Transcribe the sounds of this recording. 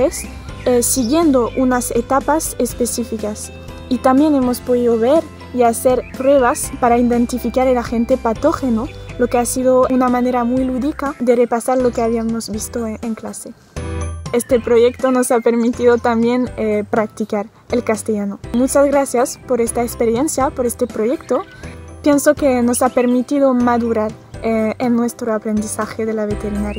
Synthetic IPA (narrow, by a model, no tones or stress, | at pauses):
es | esiɣje̞nd̪o̞ʔunaset̪apasespesifikas | it̪ambje̞ne̞mo̞spo̞ðiðo̞βe̞ɾ | iase̞ɾpɾwe̞βaspaɾaind̪ẽ̞nt̪ifikaɾelaxe̞nt̪epat̪o̞xeno | lo̞keasiðounamane̞ɾamwujluðikaðe̞repasaɾlo̞keaβiamozβist̪oeŋklase | est̪epɾo̞ʝekt̪ono̞sape̞ɾmit̪iðot̪ambjenepɾak̚t̪ikaɾ | elkast̪eʝanomut͡ʃazɣɾasjaspo̞ɾest̪aekspeɾjensjapo̞ɾest̪epɾoʝe̞kt̪o | pjensokeno̞sape̞ɾmit̪iðomaðuɾaɾ | eenːwe̞st̪ɾoapɾend̪isaxeðelaβet̪eɾinaɾja